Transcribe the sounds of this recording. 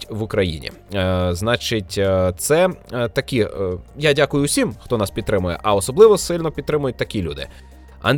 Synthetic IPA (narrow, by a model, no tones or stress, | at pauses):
tʲʋʊkɾɐjḭnʲḭ | znɑt͡ʃɪtʲt̪sɛt̪ɐkʲijadʲakʊjʊsʲimxt̪ɔnɑspʲid̪̚t̪ɾɪmʊjɛ̰ʔɐɔsɔblˠɪʋɔsɪlʲnɔpʲid̪̚t̪ɾɪmʊjʊt̚ʲt̪ɐkʲilʲṵd̪ɪ̰ | ɐ̰nd̪